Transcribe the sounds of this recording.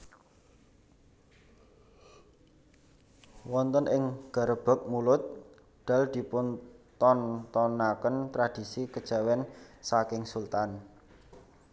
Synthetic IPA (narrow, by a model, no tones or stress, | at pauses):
wɔnt̪ənʔɪŋɡ̥a̤ɾəb̥a̤k̚mulʊt̪̚ | ɖ̪̥a̤ld̪̥i̤pʊnt̪ɔnt̪ɔnakənt̪ɾad̥i̤sikəd̥ʒ̥a̤wɛnsakɪŋsult̪an